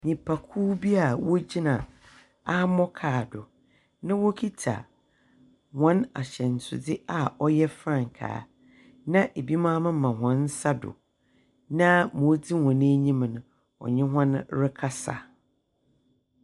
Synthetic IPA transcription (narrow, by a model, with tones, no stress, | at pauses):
ɲĩ˨pʰa˨kʰuː˦bi˦a˨wɔ˦d͡ʑi˦nã˨ | a˦mɔ˦kʰaː˨dʊ˨ | nã˦wo˦kʰi˦tʰa̰˨ | wɔ̃˨˦na̰˨ɕɛ˨n̩˨sʰʊ̰˨dɪ˦a˨ɔ˦jɛ˦fɾã˦˨ŋ˨kʰa̰ː˨˦ | nã˦ʔe˨bi˦mãː˦mɪ̃˦mã˨ɦɔ̃˨n̩˦sa˦dʊ̰˨ | nã˦mʊ̃˨˦d͡zi˦hɔ̃˨ñ˦e˦ɲĩ˦m˨nʊ̃˨ | ɔ̰˨ɲɪ̃˦ɦã˦nɾɪ˦kʰa˦sa̰˨